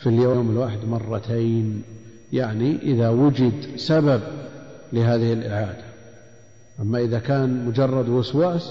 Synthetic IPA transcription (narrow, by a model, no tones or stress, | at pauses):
filjoːmɪlwaːħɪd̪mɑrˤːɑt̪ʰeːn | jaʕniʔɪðawʊd͡ʒɪd̪sabab̚lɪɦaːðɪhɪlʔɪʕaːd̪a | ʔamːaʔɪðakaːnmʊd͡ʒɑrˤːɑd̪wʊswaːs